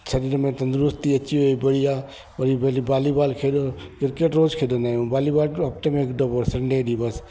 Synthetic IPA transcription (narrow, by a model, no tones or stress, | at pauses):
sɐɾiːɾmẽt̪ɐ̃nd̪ɾʊst̪iɐt͡ʃʰiɦoːibɐɽijaː | pɐɾibɐlibaːlibaːlkʰeːdokɪɾkeʈɾoːd͡ʒkʰeːd̪onaːjũbaːlibaːlɐp̚ʈ̪emekɖoboɾsɐ̃ɳɖeːɗibɐs